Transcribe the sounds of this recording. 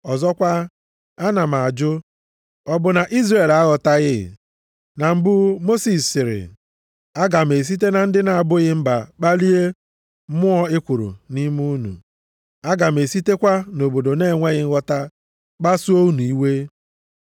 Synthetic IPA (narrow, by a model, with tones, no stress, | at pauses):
ɔ˨zɔ˦kʷa˦ | a˦na˨m˨a˨d͡ʒʊ˦ | ɔ˦bʊ˨na˨ʔi˦zre˦˨la˦ɣɔ˨ta˦ɣɪ˦˨ | na˨m̩˦bʊ˦mo˦si˨ssɪ˨ɾɪ̰˨ | a˦ɡa˨m̩e˨s̬i˦t̬e˦na˨n̩˦dɪ˦na˨a˨bʊ˦ɣɪ˦m̩˦ba̰˨k͡pa˦li˦e˦ | mʊ˦ɔ˦e˦kʷu˨ɾṵ˨ni˦mu˦nṵ˨ | a˦ɡa˨me˨si˦te˦kʷa˦no˨bo˨do˨ne˦˨ŋʷe˦ɣɪ˦ŋ̩˦ɣɔ˦ta˦ | k͡pa˦su˦o˦u˦nu˨i˦we˦